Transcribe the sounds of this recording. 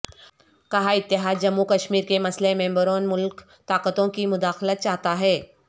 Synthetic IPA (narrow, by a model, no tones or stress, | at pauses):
kɐɦaɪt̪ːɪɦaːd̪d͡ʒɐmːukɐʃmiːɾkemɐslemɛ̃ːmbəɾõːnmʊlk | t̪aːqət̪õkimʊd̪aːxlət̪̚t͡ʃaːɦt̪aɦɛː